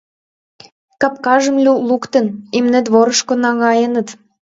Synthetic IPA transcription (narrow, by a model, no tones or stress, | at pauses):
kɑp̚kɑʒə̆mlʲulukt̪ənimnĕt̪βoɾəʃkonɑŋɑjənə̆t̪